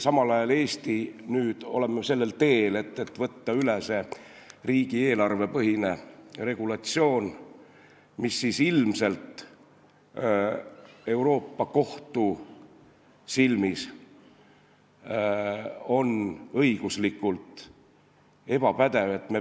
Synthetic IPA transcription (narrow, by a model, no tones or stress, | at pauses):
sɑmɑlɑjɑle̞ːst̪inyːd̪̥o̞̰le̞mːese̞lːe̞lt̪e̞ːle̞t̪ːe̞t̪ːvɤt̪ːɑylese̞riːɡ̥ie̞ːlɑrve̞pɤɦine̞re̞ɡ̥ulɑt̪sio̞ːn | misːisilmse̞lt̪ | e̞wɾo̞ːpːɑko̞ht̪u | silmis | o̞nɤjɡ̥uslikːult̪ˑ | e̞b̥ɑpæd̪e̞ve̞t̪ːˑme